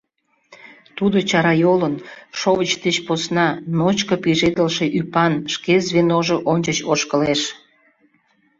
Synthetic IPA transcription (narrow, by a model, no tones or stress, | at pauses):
t̪ud̪ot͡ɕɑɾɑjolənʃoβət͡ɕd̪et͡ɕposnɑnot͡ɕkəpiʒed̪əlʃe̽ʔypɑnʃkezβenoʒoʔonʲt͡ɕət͡ɕoʃkəleʃ